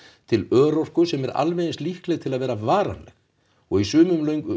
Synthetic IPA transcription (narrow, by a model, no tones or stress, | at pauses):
t̪ʰɪlœːɾowr̥kʏsɛmɛɾa̰lvɛjnɪst̪lihklɛɣt̪ʰɪlaðvɛːɾavaːɾa̰nlɛ̰x | ɔɣisʏːmʏmlœɥŋkʏ